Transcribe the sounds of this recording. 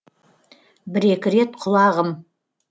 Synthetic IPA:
bɪɾe̞kʲɪɾe̞t̪̚qʰʊlˠɑʁəm

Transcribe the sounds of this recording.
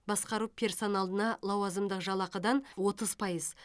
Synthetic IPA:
bɑsqɑɾupʲʰe̞rso̞nɑlˠd̪ənɑlˠɑwɑzəmd̪əqʒɑlˠɑqəd̪ɑnwo̞t̪əz̥pʰɑjəz

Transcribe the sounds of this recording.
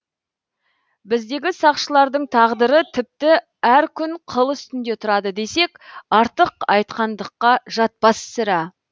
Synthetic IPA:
bɪzd̪e̞ɡʲɪsɑqʃəlˠɑɾd̪əɴt̪ʰɑʁd̪əɾət̪ʰɪp̚t̪ɪ | æɾkʲʰʏɴqʰəlˠʏst̪ɪnd̪e̞t̪ʰʊɾɑd̪əd̪e̞se̞kɑɾt̪əqɑjt̪̚qɑnd̪əqːɑʒɑt̪̚pɑssɪɾɑ

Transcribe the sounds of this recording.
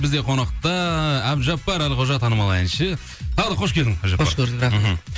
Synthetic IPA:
bɪzd̪e̞qʰo̞nɑqt̪ɑæbʒɑpːɑɾælqʰoʒɑt̪ʰɑnəmɑlˠɑænʃə | t̪ʰɑʁd̪əqʰo̞ʃkʲed̪ɪŋʒɑoʃkeɾd̪ɪɑ

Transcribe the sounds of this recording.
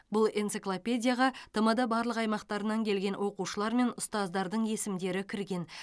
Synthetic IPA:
bʊlˠensɨklˠopʲe̞dʲijaʁɑt̪ʰɑmɑd̪ɑbɑɾlˠəqɑjmɑqt̪ɑɾənɑŋkʲʰe̞lɡʲe̞nwo̞quʃəlˠɑɾme̞nʊst̪ɑzd̪ɑɾd̪əɴje̞sɪmd̪e̞ɾɪkʲʰɪɾɡʲe̞n

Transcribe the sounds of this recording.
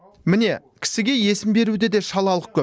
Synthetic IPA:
mɪne̞ | kʲʰɪ̥sɪɡʲe̞je̞sɪmbe̞ɾud̪e̞d̪e̞ʃɑlˠɑlˠəq̚kʰʲɵ

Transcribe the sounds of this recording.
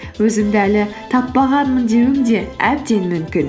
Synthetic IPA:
wɵzɪmd̪ɪælɪt̪ʰɑpːɑʁɑnmənd̪e̞wɪŋd̪e̞æb̚d̪e̞nmʏmkʲɪn

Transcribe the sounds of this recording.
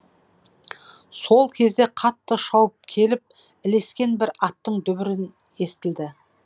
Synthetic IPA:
so̞lˠkʲʰe̞zd̪e̞qʰɑt̪ːəʃɑwəp̚kʲʰe̞lɪp̚ | ɪle̞skʲe̞nbɪɾɑt̪ːəɴd̪ʏβɪɾɪn | e̞st̪ɪld̪ɪ

